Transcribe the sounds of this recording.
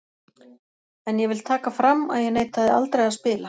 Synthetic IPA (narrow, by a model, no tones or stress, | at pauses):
ɛnjɛvɪlt̪ʰaːkafɾamːa̰ðjɛɣneːjt̪θaðɪa̰lt̪ɾejaspɪːla